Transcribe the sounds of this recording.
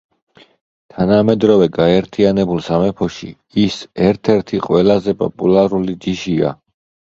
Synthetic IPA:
t̪ʰanamɛd̪ɾɔvɛɡaɛɾt̪ʰianɛbulˠsamɛpʰɔʃḭ | isɛɾt̪ʰɛɾt̪ʰiqʼwɛlazɛpʼɔ̰pʼulaɾulid͡ʒiʃia̰

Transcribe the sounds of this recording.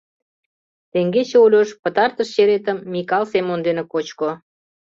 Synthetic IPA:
t̪eŋɡet͡ɕeulʲoʃpə̆t̪ɑrt̪əʃɕeɾet̪əmːikɑlsemond̪enekot͡ɕko

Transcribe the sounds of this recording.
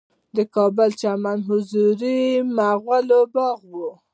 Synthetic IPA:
d̪əkɑbəlt͡ʃamanɦʊzuɾimaɣwalobɑɣwu

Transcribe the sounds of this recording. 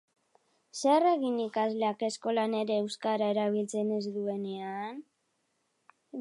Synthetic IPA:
sereɣinikazleake̞sko̞lane̞ɾe̞ːwskaɾae̞ɾaβ̞ilt͡se̞ne̞zd̪ue̞ne̞an

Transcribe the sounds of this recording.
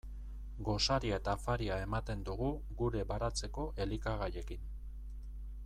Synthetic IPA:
ɡo̞saɾiae̞t̪afaɾiae̞mat̪e̞nd̪uɣu | ɣuɾe̞βaɾat͡se̞ko̞ʔe̞likaɣaje̞kin

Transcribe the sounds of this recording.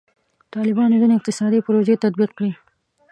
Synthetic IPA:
t̪ɑlɪbɑnozineɪq̚t̪ɪsɑd̪ipʊɾoʒet̪ad̪̚biq̚kɽi

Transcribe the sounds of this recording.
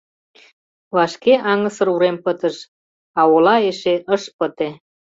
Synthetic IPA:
βɑʃkeʔɑŋəsə̆ɾuɾempət̪əʃ | ɑolɑeʃeʔəʃpət̪e

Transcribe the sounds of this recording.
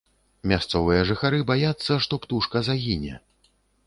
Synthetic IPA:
mʲast̪sɔvɨjɐʐɨxaɾɨbajat̪sːɐʂt̪ɔpt̪uʂkɐzaɣʲinʲɛ̰

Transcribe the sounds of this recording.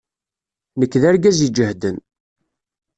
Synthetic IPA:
nəkːðaɾɡæzid͡ʒəhd̪ən

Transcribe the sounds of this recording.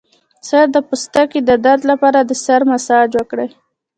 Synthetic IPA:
saɾd̪əpust̪aked̪əd̪aɾd̪lapɑɾad̪əsaɾmasɑd͡ʒwəkɽəj

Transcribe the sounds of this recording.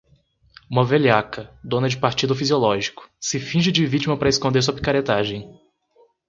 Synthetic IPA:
ũmɐveliakɐd̪õnɐd͡ʒɪpaɾt͡ʃid̪ʊfiziolɔʒikʊ̥sɪfĩʒɪd͡ʒɪvit͡ʃimɐpɾɐeskõnd̪eɾs̬uɐpi̥kaɾet̪aʒẽj̃

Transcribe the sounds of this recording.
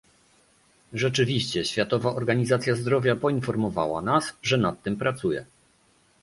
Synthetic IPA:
ʐɛt͡ʂɘvʲiɕt͡ɕɛɕfʲjat̪ɔvaʔɔɾɡaɲizat̪sʲjazd̪ɾɔvʲjapɔinfɔɾmɔva̰wa̰nasʐɛnat̪ːɘmpɾat̪sujɛ̰

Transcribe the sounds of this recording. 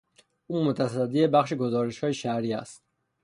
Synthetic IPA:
ummɔt̪ʰassad̪iɛbaχʃiɡɔzɔɾiʃɔiʃaɾias

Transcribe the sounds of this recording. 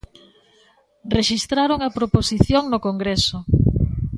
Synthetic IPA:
reʃist̪ɾaɾoŋɐpɾoposiθjoŋnokoŋɡɾesʊ

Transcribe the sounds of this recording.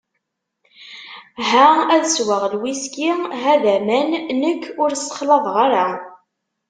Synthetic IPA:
ɦææðəswəʁlwiskiɦæðæmænnəkʰːʊɾsə̥χlɑðˤʁaɾa

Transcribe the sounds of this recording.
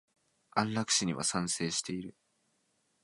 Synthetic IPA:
ãnɾakɯ̟̥ɕiɲ̟iβa̰sãɰ̃se̞ːɕi̥t̪e̞iɾɯ̟

